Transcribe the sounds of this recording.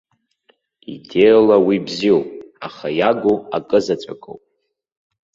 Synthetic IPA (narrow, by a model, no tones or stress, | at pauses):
ḭdelawibziopʼaχajaɡʷuakʼɨzat͡sʷʼa̰kʼo̰wpʼ